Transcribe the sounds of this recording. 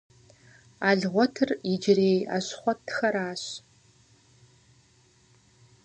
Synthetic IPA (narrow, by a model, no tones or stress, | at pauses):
aːɮʁʷɔtʰɨrɪd͡ʒɪɾeːja̰ːɕχʷɔtʰxɐɾaːɕ